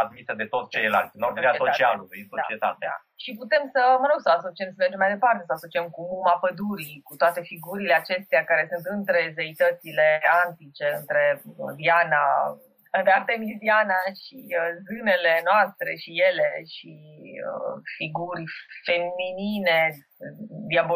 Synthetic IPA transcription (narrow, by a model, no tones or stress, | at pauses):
ad̪̚misəd̪e̞t̪o̞t̪st͡ʃelela̰lt̪sʲnok̪ɾeasot͡ʃt͡ʃialulsod̪at͡ʃiet̪a̰t̪ea̰ | ʃiput̪e̞msəməɾoɡsəaso̞t͡ʃiemsəled͡ʒemajd̪e̞part̪e̞səaso̞t͡ʃiemkuumapəd̪uɾikut̪oat̪e̞fiɡuɾile̞at͡ʃe̞st̪ejakaɾe̞sunt̪ɨnt̪ɾe̞zeit̪ət̪sile̞ant̪it͡ʃe̞ɨnt̪ɾe̞viana | ɾeat̪e̞midianaʃizɨne̞le̞noast̪ɾe̞̰ʃije̞le̞ʃḭ | fiɡuɾʲfe̞minine̞ | d̪iabo